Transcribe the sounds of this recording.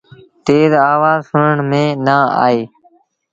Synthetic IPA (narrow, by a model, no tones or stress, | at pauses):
t̪eːzaːʋaːzsʊnəɳmẽːnaːa̰ːeː